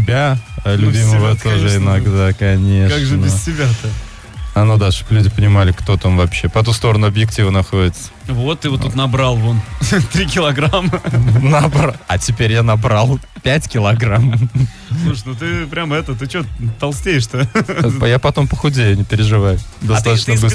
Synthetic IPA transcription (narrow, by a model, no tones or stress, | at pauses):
ɪbʲalʲʊbʲiməvətt̪oʐəɪnɐɡd̪akɐnʲe̞kʂaɡʐɨnəbɪstʲɪbʲat̪ɐ | ɐnod̪aʂoklʲʉdʲɪpənʲɪmalʲɪkt̪o̞t̪amvɐpɕːe̞pɛt̪ust̪o̞ɾənʊɐbjɪktʲivənɐxo̞dʲɪt̪sə̥vot̪ːɨvout̪nɐbɾalˠvont̪ɾʲikʲɪlˠɐɡɾamənɐbaɐtʲɪpʲeɾʲjanɐbɾalˠpʲætʲkʲɪlˠɐɡram | slˠuʂnut̪̬ɨpɾʲamɛt̪ət̪ɨt͡ɕot̪t̪ːɐlˠsʲtʲejɪʂt̪ojapɐt̪o̞mpəxʊdʲejʊnʲɪpʲɪɾʲɪʐɨvajʊd̪ɐst̪at̪ət͡ɕnəbɨs